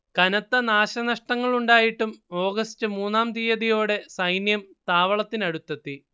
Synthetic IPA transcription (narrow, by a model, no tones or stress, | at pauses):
kɐnɐt̪ːɐnaːɕɐnɐʂʈɐŋːɐɭuɳɖaːjiʈːumo̞ːɡɐstɨmuːnːaːmd̪ijɐðijo̞ːɽe̞sɐjnjɐmt̪aːʋɐɭɐt̪ːinɐɽut̪ːɐt̪ːi